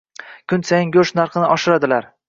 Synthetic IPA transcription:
kʲʰʊnsajɪŋɡʲɵʃnaɾqɨnɪʔɒʃɪɾad̪ɪlaɾ

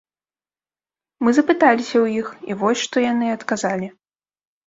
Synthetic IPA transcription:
mɨzɐpɨt̪alʲisʲɐwjixḭvɔsʲʂt̪ɔjanɨɐt̪kazalʲi

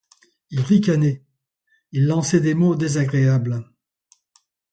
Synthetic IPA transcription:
ilʁikanɛ | ilːɑ̃sɛd̪emod̪ezaɡʁeabl

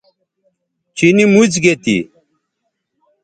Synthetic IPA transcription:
t͡ɕinimut͡sɡet̪ḭ

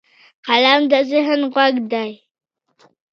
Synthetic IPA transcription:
qalamdaziħənʁʷaɡdaj

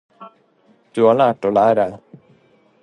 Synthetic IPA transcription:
d̪̥ɵhaɭæːʈɔlæːɾa

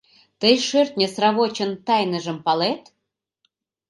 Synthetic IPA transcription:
t̪əjʃørt̪nʲesrɑβot͡ɕə̆nt̪ɑjnə̆ʒə̆mpɑlet̪

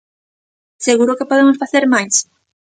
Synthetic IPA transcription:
seɣuɾʊkepoðemʊsfaθeɾmajs

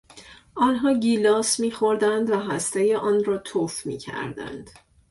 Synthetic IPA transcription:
ʔɒːnɦɒːɟiːlɒːsmiːxo̞ɾd̪ænd̪væɦæst̪ejeʔɒːnɾɒːt̪ʰofmḭːcʰæ̰ɾd̪æ̰nd̪̥

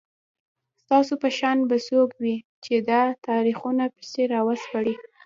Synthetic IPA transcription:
st̪ɑsopəʃɑnbasokwit͡ʃed̪at̪ɑɾixunapi̥seɾɑwasbaɽi

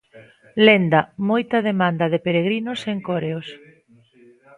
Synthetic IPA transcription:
lend̪ɐmojt̪ɐðemand̪ɐðepeɾeɣɾinoseŋkoɾeos

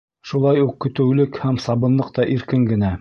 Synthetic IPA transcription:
ʃulˠɑjuqːɵ̆t̪ɘ̆wlɘkhæmsɑβɤ̆nlˠɤqt̪ɑʔiɾkɘŋɡɘ̆næ

